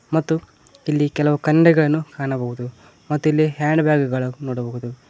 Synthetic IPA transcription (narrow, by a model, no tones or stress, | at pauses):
mɐt̪ːu | ilːikɛlɐʋukɐɳɖɛɡɐɭɐnːukaːɳɐbɐɣud̪u | mɐt̪ːuilːiɦjaːɳɖbjaːɡɡɐɭɐnoːɽɐbɐɦud̪u